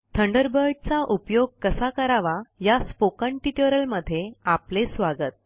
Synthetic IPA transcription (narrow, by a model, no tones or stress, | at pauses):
t̪ʰəɳɖəɾbəɾɖ̚t͡saʔupjoɡ̚kəsakəɾaʋajaspokə̃ɳʈiʈoɾəlməd̪ʱːjeaplesʋaɡət̪̚